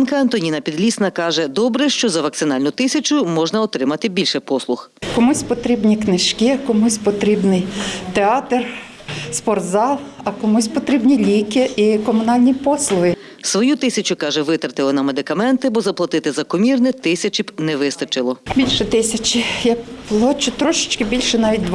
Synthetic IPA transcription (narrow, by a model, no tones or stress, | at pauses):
nkɐɐnt̪ɔnʲinɐpʲid̪lʲisnɐkɑʒɛd̪ɔbɾɛʃt͡ʃɔzɐʋɐk̪̚sɪnɑlʲnʊt̪ɪsʲɐt͡ʃʊmɔʒnɐɔt̪ɾɪmɐt̪ɪbʲilʲʃɛpɔslˠʊx | kɔmusʲpɔt̪ɾʲibnʲiknɪʃkʲɪkɔmusʲpɔt̪ɾʲibnɪjt̪eɑt̪r | spɔrt̪zɑlˠɐkɔmusʲpɔt̪ɾʲibnʲilʲikɪikɔmʊnɑlʲnʲipɔslˠʊɦɪ | sʋɔjut̪ɪsʲɐt͡ʃʊkɑʒɛʋɪt̪ɐrt̪ɪlˠɔnɐmed̪ɪkɐmɛnt̪ɪbɔzɐplˠɐt̪ɪt̪ɪzɐkɔmʲirnɪt̪ɪsʲɐt͡ʃibnɛʋɪst̪ɐt͡ʃɪlˠɔbʲilʲʃɛt̪ɪsʲɐt͡ʃɪjɐkplˠɔt͡ʃʊt̪ɾɔʃɪ̥t͡ʃkɪbʲilʲʃɛnɑʋʲit̚ʲd̪ʋ